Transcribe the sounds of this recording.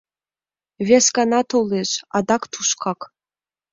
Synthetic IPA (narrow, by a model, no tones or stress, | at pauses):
vʲesɡɑnɑt̪oleʃɑd̪ɑkt̪ʰuʃkʰɑk